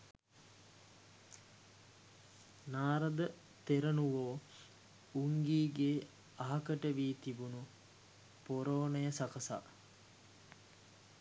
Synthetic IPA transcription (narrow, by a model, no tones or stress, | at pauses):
naːɾəd̪ə | t̪eɾənuʋoː | uŋɡiːɡeː | aɦɐkəʈəʋiːt̪ibunu | poɾoːnəjəsakəsa̰